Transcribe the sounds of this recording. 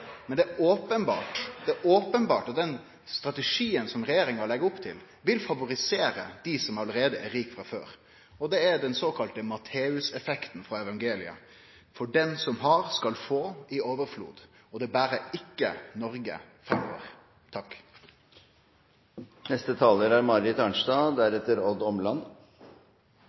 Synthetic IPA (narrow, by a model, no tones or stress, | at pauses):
mɛnd̪ɛʔoːpənbɑ̰ːʈd̪ɛʔoːpənbɑːʈɔt̪̚d̪ɛn | st̪ɾɑt̪ɛʂiːənsɔmɾɛjeːɾɪŋɑlɛɡəʊpt̪ʰɪl | ʋɪlfɑʋʊɾɪseːɾə̰d̪̥ɪsɔmɑləɾeːd̪əʔæɾiːkfɾɑfø̰ːɾ | ɔd̪ɛæɾd̪ɛnsoːkʰɑlt̪əmɑt̪ʰeːʉsɛfɛkt̪n̩fɾɑɛʋɑŋɡeːlɪə̰ | fɔɖɛnsɔmɦɑɾskɑlfoːɪoːʋəɾflṵːd̪ɔd̪ɛbæːɾəɪkːə̰nɔɾɡə̰ | fɾɛmːɔ̰ʋə̰ɾ | t̪ʰɑkː | nɛst̪ət̪ʰɑːləɾæɾmɑɾɪt̪ɑɳʂd̪ɑːd̪æɾɛt̪ːəɾɔd̪ɔmlɑn